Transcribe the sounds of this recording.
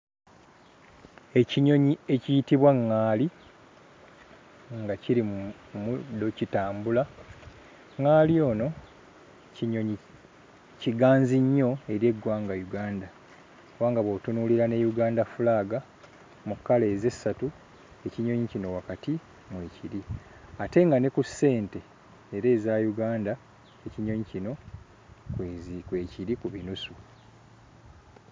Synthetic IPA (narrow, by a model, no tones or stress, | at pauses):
e̞ciɲo̞ɲie̞cijitiβwaŋːaːli | ŋɡaciɾi | mudːo̞citaːmbula | ŋaːlio̞ːno̞ | oɲi | ciɡaːnziɲːo̞e̞ɾje̞ɡwaːŋɡajuɡaːnda | waːŋɡaβwotunuːliɾane̞juɡaːndafulaːɡa | mukːale̞ːze̞sːatu | e̞ciɲo̞ɲicino̞wakati | mweːciɾi | ate̞ŋɡane̞kusːe̞ːnte̞ː | ɾe̞ːzaːjuɡaːnda | eciɲo̞ɲicino̞ | kwezikwe̞ːciɾikuβinusu